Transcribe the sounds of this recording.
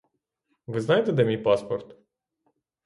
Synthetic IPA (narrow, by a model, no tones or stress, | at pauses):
ʋɪznɑjet̪ɛd̪ɛmʲijpɑspɔrt̪